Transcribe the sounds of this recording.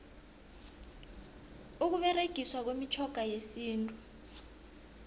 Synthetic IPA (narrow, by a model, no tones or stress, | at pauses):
uk̬uɓɛreɡ̥ʱiswak̬wemit͡ʃʰɔɡ̥ʱajesiːntʼu